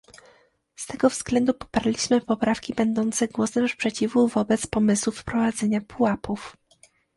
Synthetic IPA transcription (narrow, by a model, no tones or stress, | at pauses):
st̪ɛɡɔvz̥ɡlɛnd̪upɔ̥paɾlʲiɕmɘpɔpɾafkʲibɛnd̪ɔnt̪sɛɡwɔsɛmspʂɛt͡ɕivuvɔbɛt̪spɔmɘswufpɾɔvad̪zɛɲapʰuwapuf